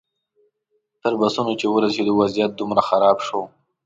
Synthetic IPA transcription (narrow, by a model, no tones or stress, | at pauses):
t̪əɾbasunot͡ʃewəɾased̪uwazijat̪̚d̪umɾaxaɾɑbʃo